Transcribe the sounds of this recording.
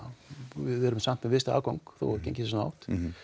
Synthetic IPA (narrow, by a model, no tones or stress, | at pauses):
vɪðɛɾʏmsam̥t̪mɛvɪst̪a̰ːkowŋkθo̰ɾcḛjɲcɪssɔna̰wht̪